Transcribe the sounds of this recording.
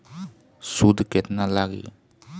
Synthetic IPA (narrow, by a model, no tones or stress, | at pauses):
sudket̚nalaɡḭ